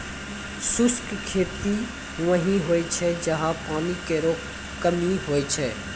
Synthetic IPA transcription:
sʊskkʰeːt̪iː | ɦũʋəɦĩɦoːet͡ʃʰɛːd͡ʒəɦãpaːnikeːɾoː | kəmiːɦoːeːt͡ʃʰɛ̰ː

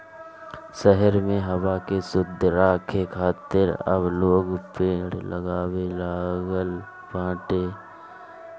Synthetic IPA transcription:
ʃɛɦəɾmẽɦɐwakesʊd̪ʱɾaːkʰekʰaːt̪ɪɾə̰bloːɡpeːɽləɡaːwelaːɡəl | pãːʈeː

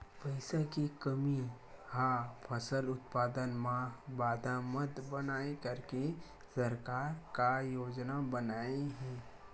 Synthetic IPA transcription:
pɐɪsakikəmi | hapʰɐsəlʊt̪paːd̪ənmãbaːd̪ʱamət̪bənaːekəɾke | sɐɾkaːɾkajoːd͡ʒnabənaːeɦɛ̃ː

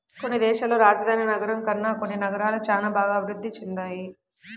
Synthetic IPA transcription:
ko̞nːid̪ɛːʃɐloːɾaːd͡ʒɐd̪ʱaːninɐɡɐɾɐmkɐɾnːaːko̞nːinɐɡɐɾaːlɐt͡ʃaːnaːbʱaːɡɐːbʱiɾud̪ːit͡ʃend̪aːji

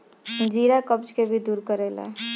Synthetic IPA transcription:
d͡ʒiːɾakəp̚t͡ʃkebʱid̪uːɾkəɾeːlɛ̰

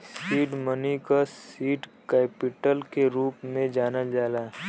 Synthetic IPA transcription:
siːʈmənikasiːʈkɛːpɪʈəlkeɾuːpmẽd͡ʒaːnəld͡ʒaːlaː

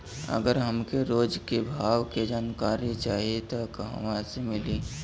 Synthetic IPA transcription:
ə̰ɡəɾɦəmkeɾoːd͡ʒkebʱaːʋked͡ʒaːnkaːɾit͡ʃaːɦiet̪okɦə̰mãsemɪliː

